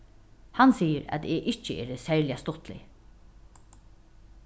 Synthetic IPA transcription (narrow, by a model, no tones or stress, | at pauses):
hansiːəɾɛ̰t̪ɛʔɪt͡ʃːəḛːɾəsɛɹlɪast̪ʊht̪lɪ̰